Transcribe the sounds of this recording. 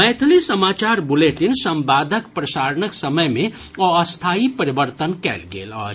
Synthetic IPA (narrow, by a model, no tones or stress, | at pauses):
ɛjt̪ʰulisəmat͡ʃaɾbuleʈinsəmbad̪ʱəkpɾəsaɾənəksəməjme | oːst̪ʰaipəɾibəɾt̪ənkɛ̰lɡḛlɔ̰